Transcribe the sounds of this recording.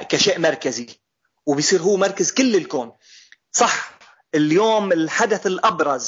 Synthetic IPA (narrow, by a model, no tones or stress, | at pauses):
kaʃeːʔmɑɾˤkazi | wbɪjsˤiːɾɦuːmɑɾˤkazkɪlːɪlkoːn | sˤɑħ | ɪljoːmɪlħad̪aθɪlʔɑbɾˤɑz